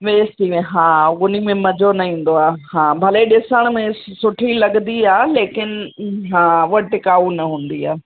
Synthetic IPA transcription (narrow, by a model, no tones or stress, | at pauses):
ʋeːst̪iɦãːɡʊnimẽmɐd͡ʑʱonɐĩːn̆d̪oaːhãːbʱɐleɗɪsəɽ̃mẽsʊʈʰilɐɠnd̪iaːleːkɪnɪɦãːʋɐʈɪkaːunɐɦũːn̆d̪ia̰ː